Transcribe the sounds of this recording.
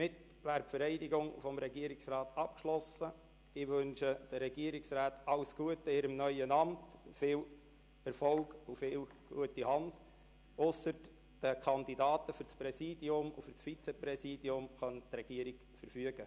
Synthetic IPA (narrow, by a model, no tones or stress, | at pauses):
mɪt̪ | ʋæːɾfəɾɛɪdiɡʊŋfɔmɾɛɡiəɾiksɾɑːt̪ɑp̚kʃlɔsə | ɪʋɵnʃəd̥əɾɛɡiəɾɪksɾaːt̪ɑlsɡ̥uətːəɪɾəmnœʏənɑmtfɪːl | ɛɾfɔlɡufɪːl | ɡ̥ṵətihɑnd̥̪ | ʊsəɾ | d̥əkʰɑnd̪idɑːt̪əfʏɾspɾɛsiːdjʊmṵfʏrsfit͡sɛpɾɛsiːd̥iʊmχœnt̪ɾɛɡ̥iəɾiɡ̥ | fəɾfyəɡ̥ə